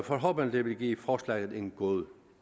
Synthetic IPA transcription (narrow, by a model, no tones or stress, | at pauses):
fɒɦɔ̽ːb̥ənd̥eʋe̝lɡ̥ḭːfɒːslæ̰ɡ̥ð̩ˠe̝ŋɡ̥oðˠ